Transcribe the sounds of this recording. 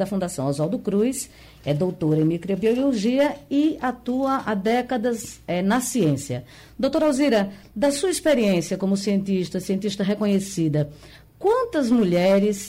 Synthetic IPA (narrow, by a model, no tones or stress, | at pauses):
d̪ɐfũd̪asɐ̃w̃azɔwd̪ʊkɾujs | ɛd̪owt̪oɾẽj̃mikɾobioloʒiɐɪat̪uɐʔad̪ɛkɐd̪ɐzɛnɐsiẽsiɐ | d̪owt̪oɾawziɾɐ | d̪ɐsuɐispeɾiẽsiɐkõmʊsiẽnt̪iʃt̪ɐsiẽnt̪iʃt̪ɐɦekõɲesid̪ɐ | kwɐ̃nt̪ɐzmuʎɛɾɪs